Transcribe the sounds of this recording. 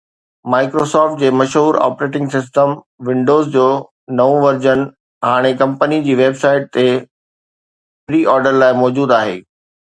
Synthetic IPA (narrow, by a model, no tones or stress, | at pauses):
maːɪkɾosɔːɾfʈ̚d͡ʑeːmɐʃɦuːɾa̰ːpɾeːʈ̬ɪ̃ŋɡsɪs̬ʈəm | ʋɪ̃ɳɖoːzd͡ʑoː | nɐʋũʋɐɾd͡ʑənɪ̆ | ɦaːɽ̃ekɐ̃mpənid͡ʑiːʋeːbsaːɪʈ̚t̪e | fɾiːʔɔːɾɖəɾlaːɪmɔːd͡ʑuːd̪aːɦḛː